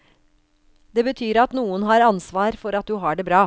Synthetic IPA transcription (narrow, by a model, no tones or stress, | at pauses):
d̪eːbət̪ʰyːɾɑt̪nuːənɦɑːɾɑnsʋɑːɾfɔɾɑt̪̚d̪ʉɦɑːɖeːbɾɑː